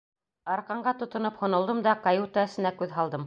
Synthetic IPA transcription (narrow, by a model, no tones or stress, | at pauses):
ɑɾqɑɴɢɑt̪ŏt̪ŏnɤphŏnŏlˠd̪ɤmd̪ɑkajut̪aɘ̆sɘ̆nækʉðɦɑlˠd̪ɤm